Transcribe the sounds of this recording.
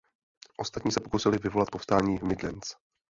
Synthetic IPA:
ʔo̞st̪at̪ɲiːsɛpo̞kusɪlɪvɪvo̞lat̪̚pofst̪aːɲiːmɪdlɛ̰nt͡s

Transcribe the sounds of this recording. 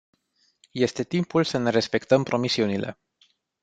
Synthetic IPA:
je̞st̪e̞t̪impulsəne̞ɾe̞spe̞kt̪əmpɾo̞misiunilʔe̞̰

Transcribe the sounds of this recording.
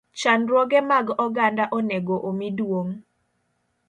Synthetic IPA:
t͡ʃanɾwɔɡɛmaɡɔɡandaʔɔnɛɡoʔomidwoŋ

